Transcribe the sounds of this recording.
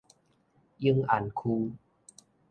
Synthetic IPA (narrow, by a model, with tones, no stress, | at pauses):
jɯ˧ŋʔa˨˩nkʰuː˧